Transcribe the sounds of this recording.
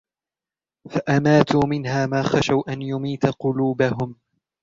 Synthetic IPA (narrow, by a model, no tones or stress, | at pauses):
faʔamaːt̪uːmɪnɦaːmaːxaʃawʔanjʊmiːt̪aqʊluːbaɦʊm